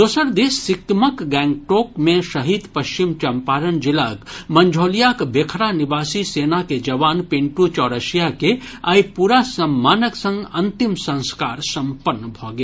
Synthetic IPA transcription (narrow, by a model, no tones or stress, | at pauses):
d̪oːsəɾd̪eːsːɪkməkɡɛ̃ːŋɡ̚ʈoːkmẽʃɐɦid̪pɐʃt͡ʃɪmt͡ʃɐmpaːɾənd͡ʒɪlaːkmɐ̃ɲd͡ʒʱoːlijakbeːkʰɾanɪbaːsiseːnaked͡ʒɐʋaːnpɪɳʈut͡ʃɔːɾəʃijakeaipuːɾasɐmːaːnəksə̃ŋɡɐ̃nt̪ɪmsɐ̃nskaːɾsɐ̃mpənːbʱoːɡe